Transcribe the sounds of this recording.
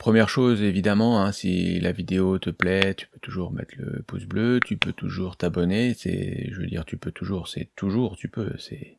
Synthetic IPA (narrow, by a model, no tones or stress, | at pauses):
pχəmjɛʁʃozevid̪amɑ̃ɛ̃sḭlavid̪eot̪əplɛt̪y̥pøt̪uʒuʁmɛ̰t̪ʰlə̰pusbløt̪ʰypøt̪ʰuʒuʁt̪abɔnesɛ̰ʒəvø̰d̪ḭʁt̪ypøt̪ʰuʒuːʁsɛ̰t̪uʒuːʁt̪ypø̰sɛ̰